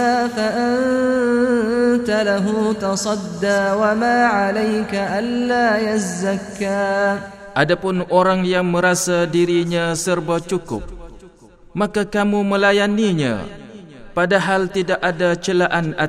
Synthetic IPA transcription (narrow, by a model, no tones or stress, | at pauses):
afaʔan | t̪alaɦut̪ɑsˤɑd̪ːaːwamaːʕalajkaʔalːaːjazːakːaː | ʔadapʊnoɾaŋjaŋmə̃ɾasadiɾiɲãsərbat͡ʃukʊ̰p̚ | makakamumə̃lajaniɲã̰ | padaɦalt̪idakʔadat͡ʃəlaʔana